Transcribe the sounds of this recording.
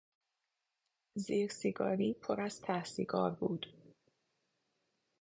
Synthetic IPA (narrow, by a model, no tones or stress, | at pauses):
ziːɾsiɡɒːɾiːpʰoɾæz̥t̪ʰæhsiɡɒːɾbuːd̪̥